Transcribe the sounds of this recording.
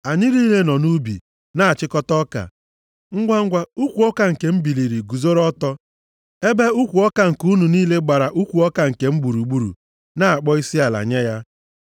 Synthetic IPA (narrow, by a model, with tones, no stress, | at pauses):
a˨ɲɪ˦ɾi˦le˦nɔ˨nu˦bḭ˨ | na˦˨a˨t͡ʃɪ˦kɔ˦tɔ˦ka̰˨ | ŋ̩˦ɡʷa˦ŋ̩˦ɡʷa˦u˦kʷu˨ɔ˦ka˨ŋ̩˨ke˨m̩˦bi˨li˨ɾi˨ɡu˨zo˦ɾɔ˦tɔ˦ | e˦be˦u˦kʷu˨ɔ˦ka˨ŋ̩˨ku˦nu˨niː˦le˦ɡ͡ba˨ɾa˨ʔu˦kʷu˨ɔ˦ka˨ŋ̩˨ke˨m̩˦ɡ͡bu˨ɾu˨ɡ͡bu˦ɾṵ˨ | na˦a˨k͡pɔ˦i˦si˦a˨la̰˨ɲe˦ja˦